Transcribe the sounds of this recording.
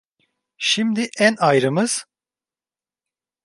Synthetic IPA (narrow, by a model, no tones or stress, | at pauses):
ʃimd̪iʔænajɾɯmɯz̥